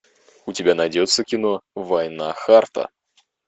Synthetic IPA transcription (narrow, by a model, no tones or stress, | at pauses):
ʊtʲɪbʲanɐjdʲot̪sːəkʲɪnovɐjnaxart̪ə̰